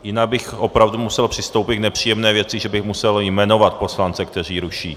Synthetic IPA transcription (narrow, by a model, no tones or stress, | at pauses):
jɪnaɡ̚bɪxʔo̞pɾavdumusɛlpr̝̥ɪst̪owpɪt̪̚ɡnɛpr̝̥iːjɛmnɛːvjɛt͡sɪʒɛbɪxmusɛljmɛno̞vat̪̚po̞slant͡sɛkt̪ɛr̝iːɾuʃiː